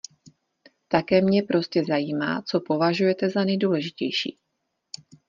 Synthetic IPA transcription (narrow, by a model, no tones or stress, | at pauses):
t̪akɛːmɲɛpɾʔo̞scɛzajiːma̰ːt͡so̞po̞vaʒujɛt̪ɛzanɛjduːlɛʒɪcɛ̰jʃḭː